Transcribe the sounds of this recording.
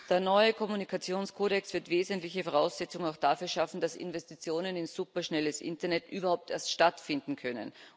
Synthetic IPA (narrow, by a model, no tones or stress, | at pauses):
d̥eːɐnɔʏəkʰɔmunikʰat͡sjoːnskʰoːɾɛksv̥ɪɐtv̥eːzəntlɪçəfɔʁ̞aʊsz̥ɛt͡sʊŋaʊxd̥aːfyːɐʃafn̩d̥asɪ̰nvɛstit͡sjoːnənɪnz̥uːpɐʃnɛləsʔɪ̰ntɐnɛtʔy̰ːbɐhaʊp̚teːɐstʃtatfɪndn̩kʰœnə̰n